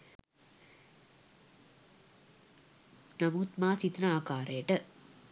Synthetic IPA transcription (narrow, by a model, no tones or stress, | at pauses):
nɐmuːt̪maːsit̪naːkaːɾeːʈɐ